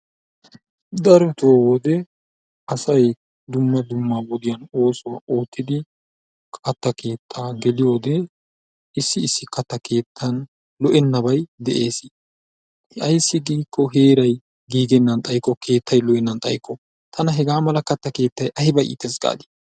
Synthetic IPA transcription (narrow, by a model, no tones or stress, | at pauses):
d̪ɐɾɔt̪oːwɔd̪ɛ | ɐsɐj | d̪ʊmːɐd̪ʊmːawɔd̪ɪjɐno̞ːsʊwaːʔoːt̪ːɪd̪ɪ | kʼɐt̪ːɐkʰe̞ːt̪ʰːaːɡɛlɪjo̞ːd̪ɛ | ɪsːɪːsːɪkɐt̪ːɐkʰe̞ːt̪ʰːɐn | lɔʔɛnːɐbɐjd̪ɛʔe̞ːsɪ | ʔɐjsːɪɡiːkːɔɦe̞ːɾɐj | ɡiːɡɛnːɐnt̪ʼɐjkːɔkʰe̞ːt̪ʰːɐjlɔʔɛnːɐnt̪ʼɐjkʰːɔ | t̪ʰɐnɐɦɛɡaːmɐlɐkɐt̪ːɐke̞ːt̪ːɐjʔɐhɪbɐʔḭːt̪ːɛsɡa̰ːd̪ɪ̥